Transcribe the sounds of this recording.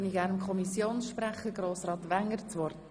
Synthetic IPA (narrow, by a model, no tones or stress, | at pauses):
niɡæːɾnəmkʰχɔmisjoːnsʃpɾæχəɡɾoːsrɑːt̪ʋæŋːəɾt͡sʋɔɾd